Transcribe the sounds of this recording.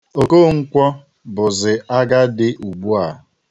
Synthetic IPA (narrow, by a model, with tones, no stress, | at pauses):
o˨ko˦ŋ̩˦kʷɔ˦ | bʊ˨zɪ˨ʔa˦ɡa˦dɪ˦ʔu˨ɡ͡bu˦a˨